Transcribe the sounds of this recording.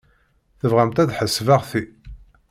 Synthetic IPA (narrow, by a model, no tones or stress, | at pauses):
θəvʁæmt̪æðħəsvaʁθi